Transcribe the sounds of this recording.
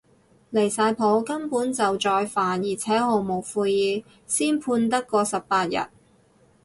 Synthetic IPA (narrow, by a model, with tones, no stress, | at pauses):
le˨˩jsaː˧jpʰo˨˥wkɐ˥npuː˨˥nt͡sɐ˨wt͡ʃɔː˧jfaː˨˩njiː˨˩t͡sʰɛː˨˥ho˨˧wmo˨˩wfuː˧jjiː˨˧ | siː˥npʰuː˧nt̪ɐ˥kːɔː˧sɐ˨ppaː˧t̚jɐ̰˨t̚